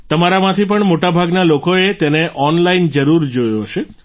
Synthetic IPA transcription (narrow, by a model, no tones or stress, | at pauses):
t̪əmaɾamãt̪ʰipəɳmoʈabʱaɡnalokoet̪eneʔʔɔnlaind͡ʒəɾuɾd͡ʒojoɦəʃe